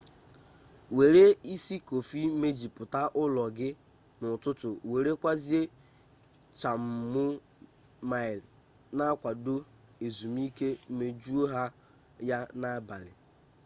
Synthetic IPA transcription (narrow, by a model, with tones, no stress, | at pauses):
we˨ɾe˦i˦si˦ko˨fi˦me˦d͡ʒi˨pʊ˨ta˦ʔʊ˦lɔ˨ɡɪ˦ | nʊ˨tʊ˦tʊ˨we˨ɾe˦kʷa˦zi˦e˦ | t͡ʃa˨m̩˨mʊ˦ | ma˨ɪ˨l | na˦a˦kʷa˨dʊ˦ | e˨zu˨mi˦ke˦m̩˦me˦d͡ʒu˦o˦ɦa˦ | ja˦na˦ba˨lɪ̰˨